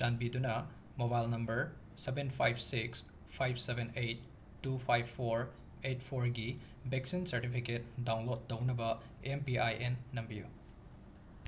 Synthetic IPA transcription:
d͡ʒanbidunɐ | mobajlnɐmbɐɾ | sebenpʰajb̚ʰsiks | pʰajbʰsebenejt̚ː | upʰajbʰpʰːoɾ | ejt̚pʰoɾɡi | beksinsɐɾtipʰiket̚dawnlod̚ːɐwnɐbɐ | empiajenːɐmbijṵ

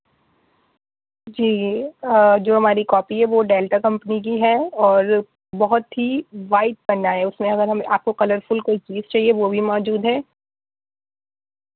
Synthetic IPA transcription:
d͡ʒiː | d͡ʒoːɦɐmaːɾikɔːpiɦɛʋoɖeːlʈakɐ̃mpənik̬iɦɛɔːɾ | bɐɦʊt̪ɦiʋaːɪʈ̪̚bɐnaɦɛʊsmẽɐɡəɾɦɐmaːp̚kokɐləɾfʊlkoit͡ʃiːzt͡ʃaːɦieʋobʱimɔːd͡ʒuːd̪ɦɛː

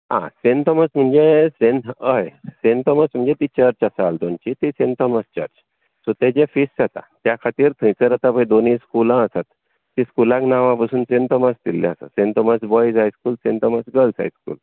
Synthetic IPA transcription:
ã̰sent̪ɔməsm̤əɳd͡zesenəjsent̪ɔməsm̤əɳd͡zet̪it͡ɕəɾt͡ɕasaald̪ont͡ɕit̪isẽnt̪ɔməst͡ɕə̰ɾt͡ɕ | sɔt̪ed͡ʑefisat̪a̰t̪jakʰat̪iːɾt̪ʰə̃jt͡səɾat̪apəjd̪oniskulãəsat̪ː | ĩskulãŋknaʋãpasuːnsent̪ɔməst̪ilːḛasa̰sent̪ɔməsbɔjd͡zajskuːlsent̪ɔməsɡəlsa̰jskṵːl

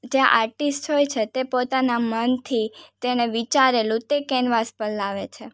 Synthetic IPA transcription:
d͡ʒeaʔaɾʈisʈɦojt͡ʃʰet̪epot̪anamənt̪ʰit̪eñeʋit͡ʃaɾelũt̪ekɛnʋaspəlaʋet͡ʃʰe

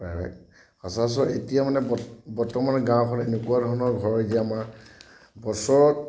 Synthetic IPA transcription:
paba̰k̚ | asas̬ɔʔetijamanɛbbɔɹtɔmanɔɡãw̃kʰɔnenʊkuadʱɔɹɔnɔɹɡʱɔɹɔziaamaɹ | bɔsɔɹɔt

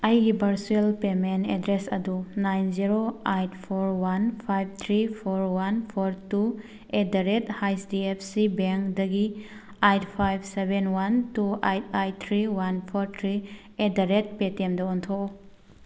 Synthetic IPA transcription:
ajɡibɐɾsuelpementedɾesɐdunajnziɾoajtpʰoɾwanpʰajb̚t̪ʰɾipʰoɾwanpʰoɾtu | edaɾethajsdiepʰsibeŋkdɐɡi | ajtpʰajbsebenwantuajt̚ajt̪ʰɾiwanpʰoɾt̪ʰɾi | edaɾet̚petemdɐontʰo

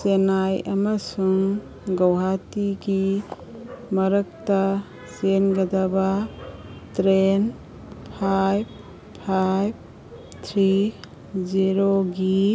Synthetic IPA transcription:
senajɐmɐsuŋ | ɡɐwɦatiɡi | mɐɾɐk̚tɐ | senɡɐdɐba | tɾen | pʰajbʰ | ajb̚ | t̪ʰɾi | ziɾoɡi

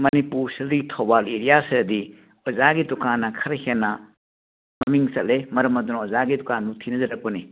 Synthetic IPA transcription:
mɐnipuɾsildiɡitʰobaleɾijaseɐdi | ɔzaɡitɔkanːɐkʰɐɾɐhenːɐ | mɐmiŋsɐʔ̚lemɐɾɐmɐd̪unɐɔzaɡidɔkanbutʰinɐzɐɾɐk̚pɐni

